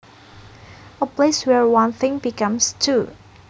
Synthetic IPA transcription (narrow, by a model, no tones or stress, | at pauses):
əpleswɛɹwãnθɪ̃ŋbikʌ̃mstʰu